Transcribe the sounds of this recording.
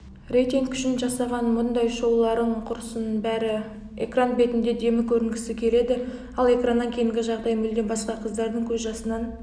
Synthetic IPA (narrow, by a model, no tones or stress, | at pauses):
rejt̪eŋkʲʰʏ̥ʃɪnʒɑsɑʁɑnmʊnd̪ɑjʃo̞wlˠɑɾəɴqʰʊɾəsənbæɾɪ | ekranbe̞t̪ɪnd̪e̞d̪e̞mɪkʲʰɵɾɪŋɡʲɪsɪkʲʰe̞le̞d̪ɪ | ɑlˠe̞kranːɑŋkʲʰe̞jɪŋɡʲɪʒɑʁd̪ɑjmʏld̪e̞nbɑsqɑqʰəzd̪ɑɾd̪əŋkʲʰɵzʒɑsənɑn